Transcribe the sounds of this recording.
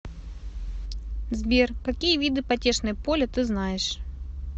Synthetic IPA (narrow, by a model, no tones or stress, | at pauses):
zbʲerkɐkʲijəvʲid̪ɨpɐtʲeʂnɨjəpolʲət̪ɨznajɪʂ